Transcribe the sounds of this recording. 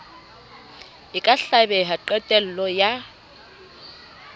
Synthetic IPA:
ɪkʼaɬabɛɦaǃɛtʼɛl̩lɔja

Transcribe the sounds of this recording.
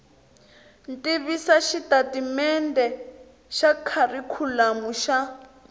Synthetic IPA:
ntʼiβisaʃitatimɛndɛ | ʃakʰarikʰulamuʃa

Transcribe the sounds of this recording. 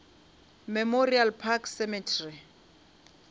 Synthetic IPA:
mɛmorialpʰakʰsɛmɛtʰri

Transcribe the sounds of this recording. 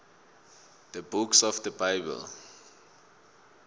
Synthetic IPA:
d̥əbuksɔfdəbaɪbə̰l

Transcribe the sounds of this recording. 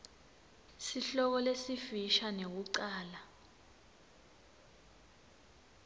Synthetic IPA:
siɬɔk̬ɔlesifiʃanek̬uǀaːla

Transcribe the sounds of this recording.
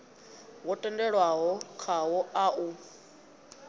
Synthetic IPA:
wɔtʼɛndɛɺwaɦɔkʰaɦɔaʔu

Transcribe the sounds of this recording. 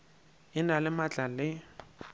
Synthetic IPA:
ɪnalɪmat͡ɬʼalɪ

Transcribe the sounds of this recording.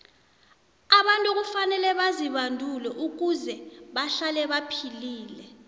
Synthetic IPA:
aɓantʼuk̬ufanɛlɛɓaziɓandʱulɛʔuk̬uzɛɓaɬalɛɓapʰiliːlɛ

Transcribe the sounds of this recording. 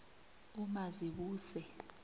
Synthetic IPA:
umaziɓuːsɛ

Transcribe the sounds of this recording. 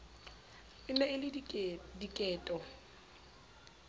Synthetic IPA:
ɪnɛɪlɪdikʼɛːtʼɔ

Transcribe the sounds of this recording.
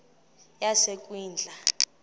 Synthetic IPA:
jasekʼwiːnd͡ɮʱa

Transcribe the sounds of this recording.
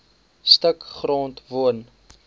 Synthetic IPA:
stəkχroːntvuən

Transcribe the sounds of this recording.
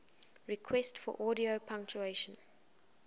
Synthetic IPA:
ɹikʰwɛstfɔ̰ʔɔːɾiopʰʌ̃ŋk̚t͡ʃueɪʃə̃n

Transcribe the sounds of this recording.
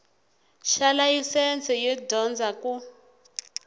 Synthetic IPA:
ʃalajisɛnt͡sʰʼɛjɛdʱɔnd͡zʱaku

